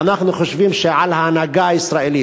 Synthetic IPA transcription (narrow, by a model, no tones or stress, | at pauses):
anaχnuχoʃvimʃeʕalhaːnaɡaaisʁaeli